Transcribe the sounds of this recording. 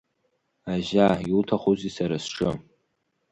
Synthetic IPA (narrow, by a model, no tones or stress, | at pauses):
aʒaiutʰaχuzisaɾasʈ͡ʂʰɨ